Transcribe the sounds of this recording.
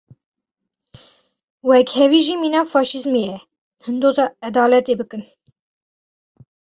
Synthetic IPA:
wɛkhɛwiːʒiːmiːnɑːfɑːʃizmejɛ | hɨnd̪ozɑːæd̪ɑːlɛt̪eːbɨkɨn

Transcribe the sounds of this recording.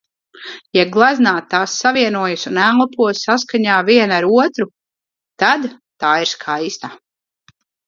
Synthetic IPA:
jaɡlˠaznaːt̪ːaːsːaviɛnuɔjusunæːlˠapuɔsːas̬kaɲaːviɛnaɾuɔt̪ɾu | t̪ad̪ | t̪aːiɾskʰajst̪a

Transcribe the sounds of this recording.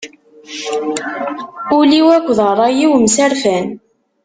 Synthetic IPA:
uliwækʷːðərˤɑjiwmsæɾfæn

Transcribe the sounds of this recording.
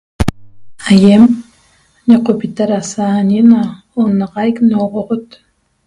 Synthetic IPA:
ajem | ɲaqopit̪aɾasaːɲina | onɑʁɑjknoʁoʁot̪

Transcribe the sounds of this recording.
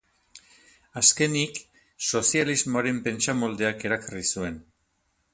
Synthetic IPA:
aske̞nik | so̞sializmoaɾe̞mpe̞nt͡samo̞ld̪e̞ake̞ɾakarisue̞n

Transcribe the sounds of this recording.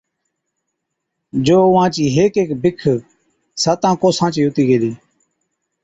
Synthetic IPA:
d͡ʒoːʊʋãːt͡ʃiːɦeːkeːkbɪkʰ | saːt̪ãːkoːsãːt͡ʃiːɦʊt̪iːɡeːliː

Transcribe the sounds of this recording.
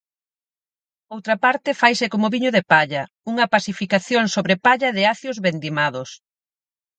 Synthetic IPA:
owt̪ɾɐpaɾt̪ɪfajsɪkomʊβiɲoðepaʎɐ | uŋɐpasifikaθjoŋsoβɾepaʎɐðɪaθjozβend̪imaðʊs

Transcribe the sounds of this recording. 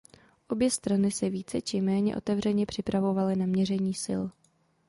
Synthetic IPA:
ʔo̞bjɛst̪ɾanɪsɛviːt͡sɛt͡ʃɪmɛːɲɛ̰ʔo̞̰t̪ɛvrɛɲɛpr̝̥ɪpɾavo̞valɪnamɲɛrɛɲiːsɪ̰l

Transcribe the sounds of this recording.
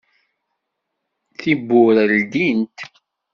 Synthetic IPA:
θibːʊɾəld̪int̪

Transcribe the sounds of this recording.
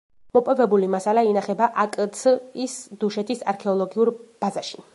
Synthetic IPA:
mɔpʼɔvɛbulimasalainaχɛbaʔakʼt̪sʰisd̪uʃɛt̪ʰisaɾkʰɛɔlˠɔɡiuɾb̥azaʃi̥

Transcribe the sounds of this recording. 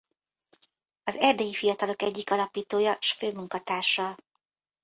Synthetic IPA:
ɒzɛrd̪ɛjifijɒt̪ɒlo̞kɛɟːikɒlɒpiːt̪oːjɒʃføːmuŋkɒt̪aːʃɒ

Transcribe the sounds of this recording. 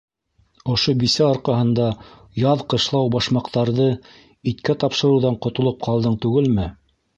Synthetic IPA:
ŏʃobisæoɾqɑɦɤ̆nd̪ɑ | jɑðqɤ̆ʃlˠɑwbɑʃmɑqt̪ɑɾðɤ | it̪kæt̪ɑpʃɤ̆ɾɤ̆wðɑɴqŏt̪ŏlˠop̚qʰɑlˠd̪ɤɴt̪ʉɡɘlmɘ

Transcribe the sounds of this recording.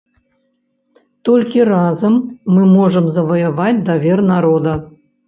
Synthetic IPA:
t̪ɔlʲkʲirazɐmːɨmɔʐəmzɐvɐjɐvat͡sʲd̪avʲernaɾod̪ɐ

